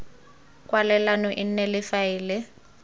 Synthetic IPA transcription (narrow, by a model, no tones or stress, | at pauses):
kʼwalɛlanɔʔɪn̩nɛlɪfaɪːlɪ